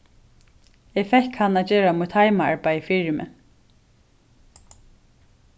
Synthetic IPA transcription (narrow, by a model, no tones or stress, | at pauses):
ɛfɛhkhanːaːd͡ʒeːɾamut̪ʰhajmaa̰ɹpajfiːɹɪmɛ̰